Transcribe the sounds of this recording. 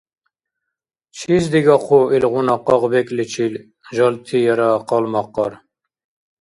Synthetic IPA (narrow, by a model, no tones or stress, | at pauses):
t͡ʃʰizd̪iɡɑχʰoilʁunɑqɑʁbɛkʼlit͡ʃʰil | ʒɑlt̪ʰijɛɾaqɑlmɑqːɑɾ